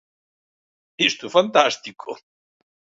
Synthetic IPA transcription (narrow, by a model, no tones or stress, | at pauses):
θist̪ufant̪ast̪ikʰo